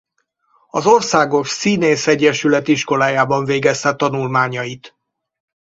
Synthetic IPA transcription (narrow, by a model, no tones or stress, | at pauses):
ɒzo̞rsaːɡo̞ʃsiːneːsɛɟːɛʃylɛt̪iʃko̞laːjaːbɒɱveːɡɛst̪ɛt̪ɒnulmaːɲɒjit̪